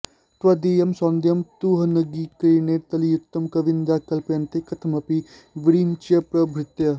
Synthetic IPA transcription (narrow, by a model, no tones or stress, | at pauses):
t̪ʋɐd̪eːjɐmsɔ̃ːnd̪jɐmt̪uːɦɐnɐɡiːkɐineːɾt̪ɐlijʊkt̪ːɐmkɐʋɪnd̪aːkɐlpeːnt̪ekɐt̪ʰɐmɐpi | ʋɪɾiːnt͡ʃɐpɾɐbʱɾɪt̪jɐ